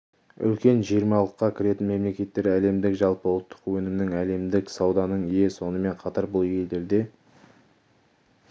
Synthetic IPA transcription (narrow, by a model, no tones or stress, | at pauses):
ʏ̰lkʲe̞nʒijəɾmɑlˠəqːɑkʲʰɪɾe̞t̪ɪnme̞mle̞kʲe̞t̪ːe̞ɾæle̞md̪ɪkʒɑlˠpəʊlˠt̪ʰːə̥qwɵnɪmnɪŋæle̞md̪ɪksɑwd̪ɑnəɴijeso̞nəme̞ɴqʰɑt̪ɑɾbʊlˠje̞ld̪e̞ɾd̪e̞